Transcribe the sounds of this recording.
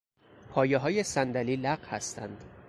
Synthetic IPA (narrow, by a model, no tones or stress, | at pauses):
pʰɒːjeɦɒːje̞sænd̪æliːlæɢhæst̪ʰæ̰nd̪̥